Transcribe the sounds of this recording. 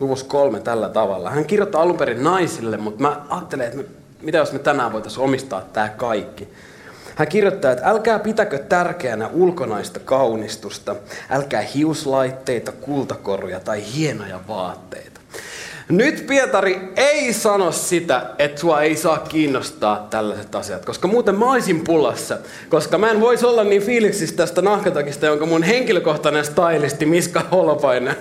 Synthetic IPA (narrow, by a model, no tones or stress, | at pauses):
luʋuskolmet̪ælːæt̪ɑʋɑ̰lːɑ̰hæŋkirjot̪ːɑːɑlumpeɾinnɑisilːemmut̪mæɑːt̪ːeleːet̪me | mit̪æjosmet̪ænæːʋo̞jt̪ɑsomist̪ɑ̰ːt̪ːæːkɑikːi | hæŋkirjot̪ːɑːet̪ælkæːpit̪ækøt̪tːærkeænæʔulkonɑist̪ɑkɑuwnist̪ust̪ɑʔælkæːhiuslɑit̪ːe̞it̪ɑkult̪ɑkorojɑt̪ɑihienojɑ̰ʋɑːt̪ːḛit̪ɑ̥nyt̪piet̪ɑrieisɑnossit̪æet̪suɑeisɑːkːiːnːost̪ɑːt̪t̪ælːæset̪ɑsiɑt̪koskɑmuːt̪emmæoisimpulɑsːɑ | koskɑmæenʋoisolːɑnniːnfiːliksist̪æst̪ænɑhkɑt̪ɑkist̪ɑjoŋkɑmunheŋkiløkoht̪ɑnenst̪ɑilist̪imiskɑolpɑine